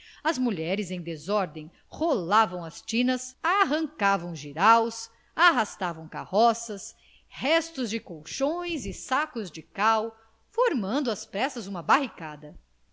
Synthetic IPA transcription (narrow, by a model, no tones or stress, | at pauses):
ɐzmuʎɛɾɪzẽj̃d̪ezɔɾd̪ẽj̃ | holavɐ̃w̃ɐst͡ʃĩnɐsaɦɐ̃ŋkavɐ̃w̃ʒiɾaws | aɦast̪avɐ̃w̃ka̰hɔsɐs | hɛst̪ʊzd͡ʒɪkowʃõj̃zɪsakʊzd͡ʒɪkaw | foɾmɐ̃nd̪ʊɐspɾɛsɐzũmɐbaɦikad̪ɐ